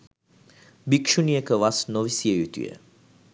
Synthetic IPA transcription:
bikʃuniəkəʋasnoʋisiəjut̪ḭjə̰

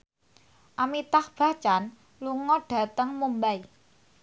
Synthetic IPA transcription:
ʔamit̪ahb̥a̤t͡ʃan | luŋɔɖ̥ä̤t̪əŋmumbai

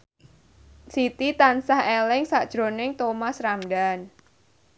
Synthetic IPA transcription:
sit̪it̪ansahelɪŋsaʔd̥ʒ̥ɾo̤nɪŋt̪omasramɖan

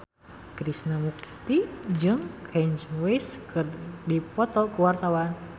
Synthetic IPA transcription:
kɾisnəmuk̚t̪id͡ʒɨŋkʰɛnt͡ʃweskɨrdipɔt̪ɔkuwart̪awan

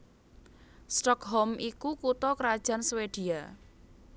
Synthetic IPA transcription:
st̪ɔkɦɔmʔikukut̪ɔkəɾad̥ʒ̥a̤nsweɖ̥i̤a

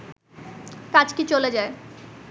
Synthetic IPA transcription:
kad͡ʑkit͡ɕoled͡ʑae

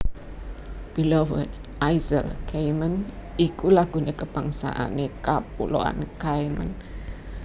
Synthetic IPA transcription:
b̥ilowət | ʔajzə̰lkajmənikulaɡ̥ṳnekəb̥aŋsa̰ʔa̰nekapulo̰a̰nkajmə̰n

